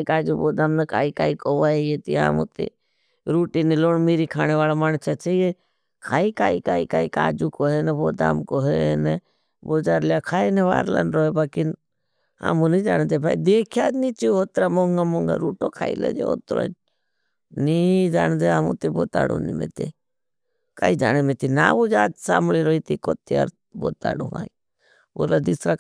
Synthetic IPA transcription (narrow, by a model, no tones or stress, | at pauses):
kaːd͡ʒuboːd̪aːmnɐka̰ːikaːikoʋaːejet̪ḭa̰ːmṵt̪ḭ | ɾuːʈiniloːɳmiːɾikʰaːñeʋaːlamant͡ʃʰat͡ʃʰeje | kʰaːikaːikaːikaːika̰ːd͡ʒukoɦeneboːd̪a̰ːmkoɦene | boːd͡ʒaːɾlakʰaːineʋa̰ːɾla̰nɾoːɦebaːkin | a̰mũnid͡ʒaːnd̪ebaid̪eːkʰjanit͡ʃiɦot̪ɾamoŋɡamoŋɡa̰ɾuːʈokʰaːilḛd͡ʒeo̰t̪ɾo̰ | nid͡ʒaːnd̪eamṵt̪eboːt̪a̰ːɽo̰nimḛt̪e | kaid͡ʒaːnemet̪inaːʋod͡ʒaːt̪saːmliɾoːit̪ikot̪iaɾ | bo̰ːt̪a̰ːɽoʋa̰i | oːlad̪isɾa